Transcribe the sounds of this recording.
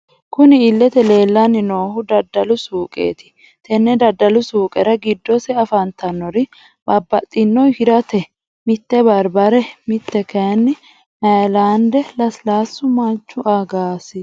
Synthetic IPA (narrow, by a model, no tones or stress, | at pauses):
kʊnɪɪlːɛt̪ɛle̞ːlːɐnːɪno̞ːhʊd̪ɐd̪ːɐlʊsuːkʼḛːt̪ɪ̥ | t̪ɛnːɛd̪ɐd̪ːɐlʊsuːkʼɛɾɐɡɪd̪ːɔsɛɐfɐnt̪ɐnːɔɾɪ | bɐbːɐt̪ʼːɪnːɔjhɪd̪ɐt̪ɛ | mɪt̪ːɛbɐɾbɐɾɛmɪt̪ːɛkɐnːɪ | ɐlaːnd̪ɛlɐslaːsːʊmɐnt͡ʃːʊʔaɡaːsɪ